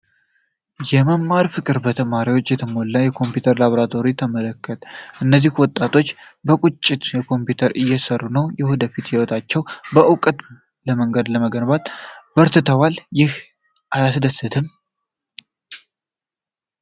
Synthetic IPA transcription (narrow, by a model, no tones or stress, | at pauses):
jɛməmːaɾfɨkʼɨɾbət̪ʰəmaɾiwo̞t͡ʃːjɛt̪ʰəmo̞lːəjɛkʰo̞mpjut̪ʰəɾlaβoɾat̪ʰo̞ɾit̪ʰəmələkːət̪ʼʔɨnːəzːihwɔt̪ʼːat̪ʰo̞t͡ʃːbəkʼut͡ʃʼːɪd̪jɛkʰo̞mpjut̪ʰəɾʔɨjːɛsərːunəwjɛhod̪əfit̪jɛwot̪ʰat͡ʃːɛwbəʔɨwkʼət̪ | ləməŋɡəd̪ləməɡənbat̪b̥əɾt̪ʰɨt̪ʰəwaljɪh | ʔajasd̪əsːɨt̪ʰɨm